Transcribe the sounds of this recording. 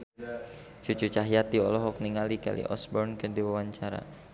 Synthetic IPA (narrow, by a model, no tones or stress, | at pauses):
t͡ʃut͡ʃut͡ʃaɦjat̪̚diɔlɔɦɔk̚niŋalika̰lḭʔɔ̰sbɔrnkərdiwawaɲt͡ʃaɾa̰